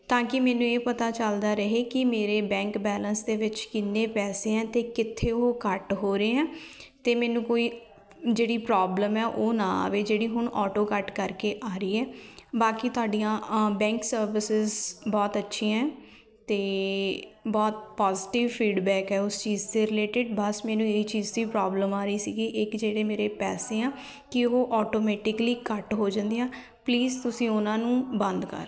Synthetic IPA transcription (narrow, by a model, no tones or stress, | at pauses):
t̪ãːkɪmɛːnũːeːpət̪aːt͡ʃəld̪aːɾəɦeːkɪmeːɾeːbɛ̃ːŋkbɛːlənsd̪eːʋɪt͡ʃkɪnːeːpɛːseːɛ̃ːt̪eːkɪt̪ʰːeːoːkəʈɦoːɾeːɛ̃ːt̪eːmɛːnũːkoːiː | d͡ʒeːɽiːpɾaːbləmɛːʔoːnãːa̰ːʋeːd͡ʒeːɽiːɦʊɳʔɔːʈoːkəʈkəɾkeːʔaːɾəiːɛːbaːkit̪ʊaːɖijãːbɛ̃ːŋksəɾʋɪsɪzbɔːt̪ətːʃʰĩːɛ̃ː | t̪eː | bɔːt̪pɔːzɪʈɪʋpʰiːɖbɛːkɦɛːʊst͡ʃiːzt̪eːɾɪleːʈɪɖbəsmɛːnũːeiːt͡ʃiːzd̪iːpɾɔːbləmaːɾəiːsiːɡiːʔɪkd͡ʒeːɽeːmeːɾeːpɛ̰ːseːãː | kɪoːʔɔːʈoːmɛːʈɪkliːkəʈɦoːd͡ʒãnd̪ijãː | pliːzt̪ʊsĩːʊnãːnũːbə̃nd̪kə̰ɾ